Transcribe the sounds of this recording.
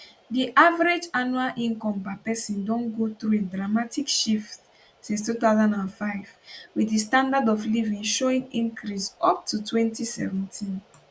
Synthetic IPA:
diʔavaɾed͡ʒanualʔĩŋkɔ̃mbapɛsĩndɔ̃nɡoθɹuedɹamatikʃift | sĩnstuθaʊzãndãnfaɪv̥widistãndadɔvlivĩŋʃoĩŋĩŋkʰɾisɔp̚tʰutʰwɛ̃ntisɛ̰vɛ̃ntʰĩn

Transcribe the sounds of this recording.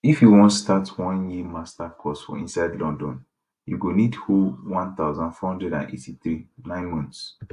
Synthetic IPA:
ifjuwɔ̃ntstatʰwɔ̃njimastakʰɔsfɔ̰ḭ̃nsaɪdlɔ̃ndɔ̃n | juɡonidhuwãnt̪aʊzãnfɔhɔ̃ndɹɛdã̰nḛtʰiθɹinãɪ̃nmɔ̃nts

